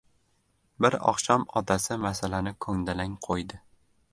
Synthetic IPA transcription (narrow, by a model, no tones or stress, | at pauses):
bɪɾɒ̰χʃɒmɒt̪ʰasɪmasalanɪkʰɵŋd̪alaŋqʰojd̪ɪ